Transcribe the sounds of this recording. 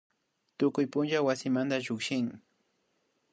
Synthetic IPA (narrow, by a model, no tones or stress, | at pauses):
t̪ʊkʊjpʊnt͡ʃawasɪmant̪aʒʊkʃɪŋ